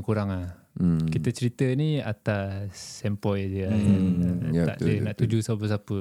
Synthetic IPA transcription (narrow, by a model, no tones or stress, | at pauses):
ŋkuɾaŋlah | kit̪ət͡ʃəɾit̪əniat̪asɛmpɔjad͡ʒəjaa̰ʔdənaʔt̪ud͡ʒusap̬əs̬apə